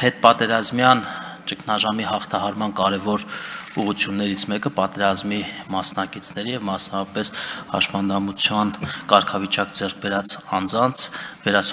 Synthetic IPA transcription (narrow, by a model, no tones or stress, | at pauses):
hɛt̪̚pɑt̪ɛɾɑzmjɑnt͡ʃəkʰnɑʒɑmihɑχt̪ʰɑhɑɾmɑnkɑɾɛvɔɾuʁut͡sʰjunːɛɾit͡sʰmɛkəpɑt̪ɛɾɑzmimɑsnɑkit͡sʰnɛɾijɛvmɑsnɑvɑpɛshɑ̰ʃmɑnd̪ɑmut͡sʰjɑnkɑɾkʰɑvit͡ʃɑkd͡zɛrk̚ʰbɛɾɑt͡sɑnd͡zɑnt͡sʰvɛɾɑs